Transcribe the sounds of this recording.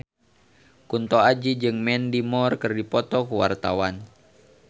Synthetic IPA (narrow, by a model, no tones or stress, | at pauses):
kunt̪ɔad͡ʒid͡ʒɨŋmɛndimɔrkɨrdipɔt̪ɔkuwart̪awan